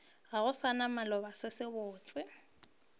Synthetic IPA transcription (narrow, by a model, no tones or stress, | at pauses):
ɣaɣʊsanamalɔbasɪsɪbʊːt͡sʼɪ